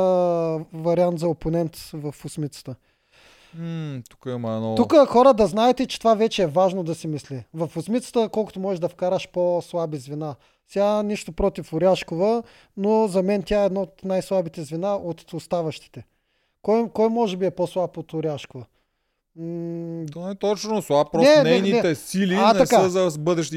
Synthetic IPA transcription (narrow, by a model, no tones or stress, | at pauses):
vɐɾiant̪zɐoponɛnt̪vɐfʊsmit̪sə̥t̪ə | t̪u̥kəimɐɛnɔt̪ukəxɔɾəd̪ɐznaɛt̪ɛt͡ʃɛ̥t̪ovavɛt͡ʃɛːvaʒnod̪ɐsimislivɐfʊsmit̪sə̥t̪əkɔlˠkʊt̪omɔʒɛʒd̪ɐfkaɾəʃposlˠabizvina | sɛaniʃt̪opɾɔt̪ifʊɾʲaʃkovə | nozɐmɛnt̪ʲjaɛd̪nɔot̪najslˠabit̪ɛzvinaʔot̪ost̪avɐʃt̪i̥t̪ɛ | kɔjkɔjmɔʒɛbiɛposlˠapot̪ʊɾʲaʃkovɐ | t̪oɛt̪ɔt͡ʃnoslˠapɾɔnɛnɛɛjnninɛɛsiliaɐskaəzɐbɤd̪ɛʃt̪i